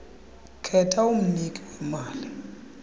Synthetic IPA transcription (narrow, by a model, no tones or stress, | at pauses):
kʰɛtʰaum̩nikʼiwɛmaːli